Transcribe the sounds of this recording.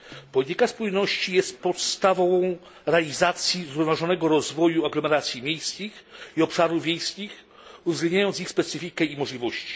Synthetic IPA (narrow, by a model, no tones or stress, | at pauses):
pɔlʲit̪ikaspujnɔɕt͡ɕijɛst̪pɔt̪st̪avɔ̃vɔ̃w̃ | ɾɛalʲizat̪sʲjizɾuvnaʐɔnɛɡɔɾɔzvɔjuaɡlɔmɛɾat̪sʲjimʲjejskʲixiɔpʂaɾuvvʲjejskʲix | uvzɡlɛnd̪ɲajɔnixspɛt̪sɨfʲikɛimɔʐlʲivɔɕt͡ɕi̥